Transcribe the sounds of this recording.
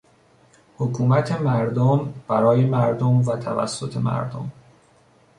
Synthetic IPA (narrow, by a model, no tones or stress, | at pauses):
hokʰuːmæt̪ʰe̞mæɾd̪omb̥æɾɒːje̞mæɾd̪omvæt̪ʰævæ̰sːo̞t̪ʰe̞mæ̰ɾd̪o̰m